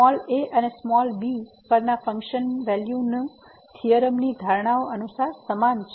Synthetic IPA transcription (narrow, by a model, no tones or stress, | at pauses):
ɔleʔənesmɔlbi | pəɾnafə̃ŋkʃənʋɛljunə | t̪ʰijəɾəmnid̪ʱəɾɳ̃aoʔənusaɾsəmant͡ʃʰ